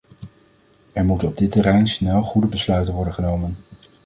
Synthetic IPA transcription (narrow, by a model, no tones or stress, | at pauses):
ɛɹmutənɔb̚dɪtɛrɛjnsnɛlˠχudəbəslœɥtənʋɔɹdəχənowmən